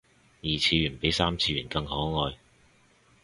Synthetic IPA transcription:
jiː˨˩t͡sʰiː˧ɥyː˨˩npe˨˥jsaː˥mt͡sʰiː˧jyː˨˩nkɐ˧ŋhɔː˨˥ŋɔː˧j

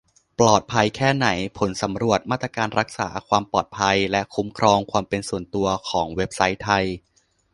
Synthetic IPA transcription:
plɔː˨˩t̪̚pʰa˧jkʰɛː˥˩na˩˦jpʰo˩˦nsa˩˦mɾu˨˩ət̪̚maː˥˩t̪ɾa˧kaː˧nɾa˦˥k̚sa̰ː˩˦kʰwaː˧mpɔː˨˩t̪̚pʰa˧jlɛ˦˥kʰu˦˥mkʰɾɔː˧ŋkʰwaː˧mpe˧nsu˨˩ənt̪u˧ɐkʰɔː˩˦ŋwe˦˥p̚sa˦˥jt̪ʰa˧j

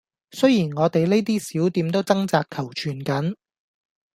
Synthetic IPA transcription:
sɵ˥jiː˨˩nŋɔː˨˧t̪e˨jle˥jt̪iː˥siː˨˥wt̪iː˨˧mt̪o˥wt͡sɐ˥ŋt͡saː˧kkʰːɐ˨˩wt͡ʃʰyː˨˩nkɐ˨˥n

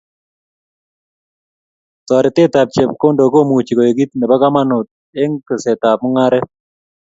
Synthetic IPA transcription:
t̪ɔ˨ɾɪ˨t̪ɪ˦t̪a˨p̚t͡ʃɛ˨p̚ko˦ndo˨ko˦˨mu˨t͡ʃi˨ko˨e˨ɡi˦t̪̚nɛ˨ba˦ɡa˦ma˦nʊ˨t̪̚ | e˦ŋkə˨sɛ˨t̪a˨p̚mɔ˦ŋa˦ɾɛ˦

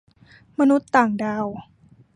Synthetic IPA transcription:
ma˧nu˦˥t̪ːaː˨˩ŋdaː˧w

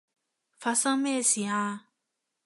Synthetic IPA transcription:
fa˨sã˦me˦˨si˨ã˦

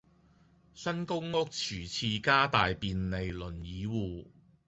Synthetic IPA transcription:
sɐ˥nkʊ˥ŋŋʊ˥k̚t͡sʰyː˨˩t͡sʰiː˧kaː˥t̪aː˨jpiː˨nle˨jlɵ˨˩njiː˨˧wuː˨

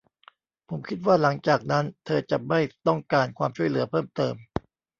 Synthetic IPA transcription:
pʰo˩˦mkʰi˦˥t̪̚waː˥˩la˩˦ŋt͡ɕaː˨˩k̚na˦˥nt̪ʰɤː˧t͡ɕa˨˩ma˥˩jt̪ɔ˥˩ŋkaː˧nkʰwaː˧mt͡ɕʰu˥˩əjlɯ˩˦ɐpʰɤː˥˩mt̪ɤː˧m

